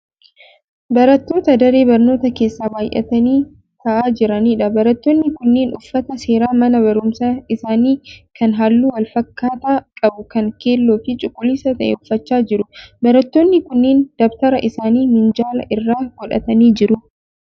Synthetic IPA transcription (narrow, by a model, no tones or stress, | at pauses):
bɐɾɐt̪ːo̞ːt̪ɐd̪ɐɾe̞ːbɐɾno̞ːt̪ɐke̞ːsːaːbaːjʔɛ̰t̪ɐniː | t̪ɐʔaːd͡ʒɪɾɐniːᶑɐbɐɾɐt̪ːoːnːɪkʊnːeːnʊfːɐt̪ɐse̞ːɾaːmɐnɐbɐɾʊmsɐɪsaːniːkɐnɦaːlːuːwɐlfɐkːaːt̪akʼɐbʊkɐŋke̞ːlːo̞ːfɪt͡ʃʼʊkʼːʊlisɐt̪ɐʔɛ̰ʊfːɐt͡ʃːaːd͡ʒɪɾʊbɐɾɐt̪ːo̞ːnːɪkʊnːeːnd̪̥ɔbt̪ɐɾɐʔɪsaːniːmɪnd͡ʒaːlɐ̰ʔɪrːaːɡɔᶑɐ̰t̪ɐniːd͡ʒɪɾʊ